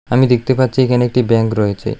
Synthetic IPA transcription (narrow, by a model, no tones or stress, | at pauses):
amid̪ek̚t̪epat̪ːɕʰiekanek̚ʈibɛŋkɾɔet͡ɕʰḛ